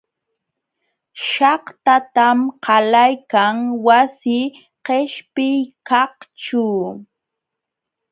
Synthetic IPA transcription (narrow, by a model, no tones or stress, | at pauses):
ʃɑht̪at̪amqɑlajkaŋwasɪ | qeʃpɪjkɑhʈ͡ʂʊ